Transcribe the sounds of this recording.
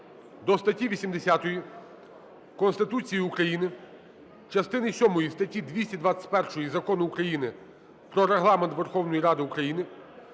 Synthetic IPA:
d̪ɔst̪ɐtʲiʋʲisʲimd̪esʲat̪ɔji | kɔnst̪ɪt̪ut͡sʲijiukɾɐjinɪ | t͡ʃɐst̪ɪnɪsʲɔmɔjist̪ɐtʲid̪ʲʋʲisʲtʲid̪ʋat͡sʲɐ̥tʲpɛrʃɔjizɐkɔnʊːkɾɐjinɪ | pɾɔɾeɦlˠɑment̪ʋerxɔwnɔjiɾɑd̪ɪukɾɐjinɪ

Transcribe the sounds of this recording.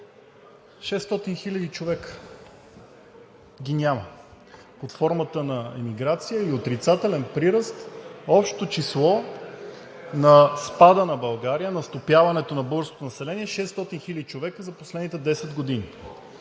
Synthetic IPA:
ʃɛst̪ɔt̪inxilʲəd̪it͡ʃovɛkə̥ | ɡʲinʲamə | ot̪fɔɾmət̪ənɐɛ̰miɡɾat̪sijəiot̪ɾit̪sat̪ɛlɛnpɾiɾəst̪ɔpʃt̪o̥t̪ot͡ʃislˠɔ | nɐspad̪ənɐbɐlˠɡaɾijənɐst̪opjavɐnɛt̪onɐbɤɡəɾskot̪onɐsɛlɛniɛʃɛst̪ɔt̪inxilʲəd̪it͡ʃovɛkəzɐposlɛd̪nit̪ɛd̪ɛsɛd̪ɡod̪ini

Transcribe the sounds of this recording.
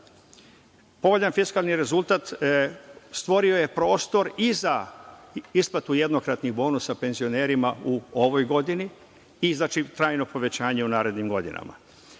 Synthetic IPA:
po̞ʋoʎanfiskalniɾe̞zulˠt̪at̪ | st̪ʋo̞ɾioje̞pɾo̞ːst̪o̞ɾiza | isplˠat̪uje̞d̪nokɾat̪niɣbo̞ːnusape̞nzio̞ne̞ːɾimauoʋojɡo̞d̪iniː | znaːt͡ʃit̪ɾaːjno̞po̞ʋe̞t͡ɕaːɲeunaːɾe̞d̪nimɡo̞d̪ḭna̰ma̰

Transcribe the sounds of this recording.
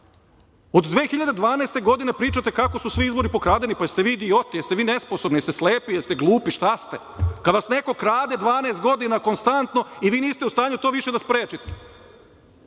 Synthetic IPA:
od̪d̪ʋeːxiʎad̪e̞d̪ʋaːneːst̪e̞ɡo̞d̪inepɾiːt͡ʃat̪e̞kako̞susʋiizbo̞ɾipo̞kɾaːd̪enipajst̪eʋiːd̪io̞t̪ijest̪eʋiːnesposobnijest̪esleːpijelst̪eɡlˠuːpiʃt̪ast̪e | kad̪ʋasne̞ko̞kɾaːd̪ed̪ʋaːneːst̪ɡo̞d̪inako̞nst̪ant̪no̞iʋiːniːst̪eust̪aːɲut̪oːʋiʃe̞d̪aspɾeːt͡ʃit̪e̥

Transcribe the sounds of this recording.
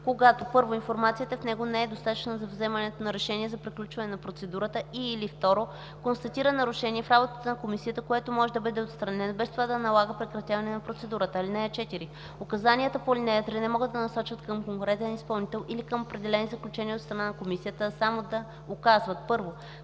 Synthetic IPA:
koɡat̪opɤɾvoinfoɾmat̪sijət̪əfnɛɡonɛɛd̪ost̪at̪ə̥t͡ʃnəzɐvzɛmɐnɛt̪onɐɾɛʃɛniɛzɐpɾiklʲut͡ʃvɐnɛnɐpɾot̪sɛd̪uɾət̪əiːlift̪ɔɾo | konst̪ɐt̪iɾənɐɾuʃɛniɛfɾabot̪ət̪ənɐkomisijət̪əkoɛt̪omɔʒɛd̪ɐbɤd̪ɛot̪st̪ɾɐnɛnɐbɛst̪ovad̪ɐnɐlˠaɡəpɾɛkɾɐt̪ʲjavɐnɛnɐpɾot̪sɛd̪uɾət̪əilinɛɛt͡ʃɛt̪iɾi | okɐzanʲiət̪əpolinɛɛt̪ɾinɛmɔɡəd̪ːɐnɐsɔt͡ʃvət̪kəmkoŋkʊɾɛt̪ɛnispɐlˠnit̪ɛlˠʔilikəmopɾɛd̪ɛlɛnizəklʲut͡ʃɛniəot̪st̪ɾɐnanɐkomisijət̪əsamod̪ɐ | okazvət̪̚pɤɾvo

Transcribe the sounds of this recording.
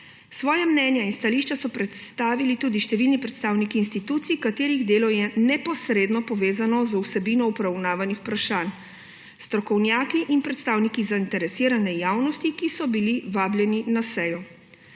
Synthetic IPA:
sʋɔːjamnɛːnjainst̪aliʃt͡ʃasɔpɾɛt̪st̪aːʋilit̪uːd̪iʃt̪ɛʋilnipɾɛt̪st̪aːwnikiːnst̪it̪ut̪sikat̪eːɾiɣd̪eːlɔjɛnɛpɔsɾeːd̪nɔpɔʋeːzanɔzwsɛbinɔupɾawnaːʋanixpɾaʃaːn | st̪ɾɔkɔwnjaːkiʔinpɾɛt̪st̪aːwnikizaint̪ɛɾɛsiːɾanɛjaːwnɔst̪ikisɔbiliʋaːbljɛninasɛjɔ

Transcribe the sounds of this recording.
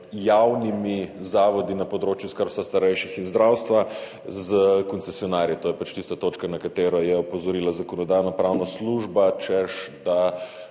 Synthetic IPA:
jawnimizaːʋɔd̪inɐpɔd̪ɾoːt͡ʃjuskaɾwst̪ast̪aɾɛjʃixinzd̪ɾawst̪ʋa | zəkɔnt̪sesiɔnaɾjit̪oːjɛpat͡ʃt̪ist̪at̪oːt͡ʃkanakat̪eːɾɔjɛɔpɔzɔɾilazakɔnɔd̪aːjnɔpɾawnasluʒbat͡ʃɛʃd̪a

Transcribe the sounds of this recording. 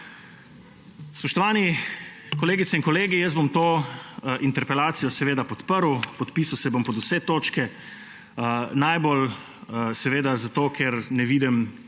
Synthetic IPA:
spɔʃt̪ɔʋaːnikɔleːɡit̪sɛinkɔleːɡijəszbomt̪oːʔint̪ɛɾpɛlaːt̪sijɔsɛʋeːd̪apɔt̪pəɾwpɔt̪piːsawsɛbompɔd̪usɛt̪oːt͡ʃkɛ | ənajbol | sɛʋeːd̪azat̪oːkʰɛɾnɛʋiːd̪ɛm

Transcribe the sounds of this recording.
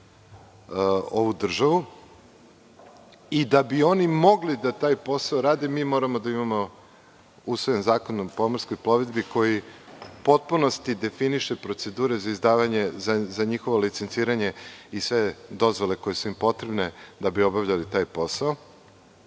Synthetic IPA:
oʋud̪r̩ʒaʋu | id̪abio̞nimo̞ɡlid̪at̪aːjpo̞saoɾaːd̪emiːmo̞ːɾamod̪aimamo | usʋojanzaːkonopo̞moɾsko̞jplo̞ʋed̪biko̞jipo̞t̪̚puno̞st̪id̪e̞finiʃe̞pɾo̞t̪se̞d̪uːɾe̞zaizd̪aːʋaɲe̞zazaɲixo̞ʋo̞lit̪sent̪iːɾaɲe̞isʋe̞d̪o̞zʋo̞le̞ko̞je̞suimpo̞t̪ɾe̞bned̪abio̞bavʎalit̪aːjpo̞saɔ

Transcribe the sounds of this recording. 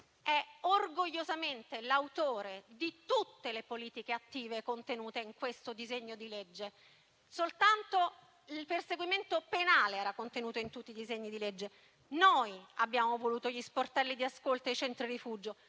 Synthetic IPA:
ɛorɡoʎːozament̪elawt̪oːɾed̪it̪ut̪ːelepoliːt̪ikeat̪ːiːvekont̪enuːt̪eiŋkwest̪od̪izeɲːod̪iled͡ʒːe | solt̪ant̪o | ilperseɡwiment̪openaːleɛːɾakont̪enuːt̪oint̪ut̪ːiːd̪izeɲːid̪iled͡ʒːe | nojabjaːmovoluːt̪oʎisport̪ɛlːid̪iaskolt̪oejt͡ʃɛnt̪ɾiɾifuːd͡ʒo

